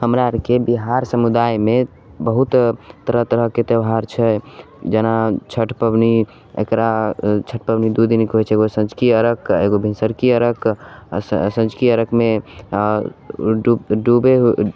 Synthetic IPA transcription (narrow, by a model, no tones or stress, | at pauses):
həmɾaɾkebiɦaɾsəmud̪ajme | bəɦut̪t̪əɾəɦt̪əɾəɦket̪əwɦaɾt͡ʃʰɛ | d͡ʒənat͡ʃʰəʈʰpəbni | ḛkɾat͡ʃʰəʈ̚ʰpəbnid̪ud̪inkɦojt͡ʃʰɛeɡosə̃nd͡ʒkiəɾəkḛɡobʱinsəɾkiəɾək | sə̃nd͡ʒkiəɾəkme | ɖuɖubeɦ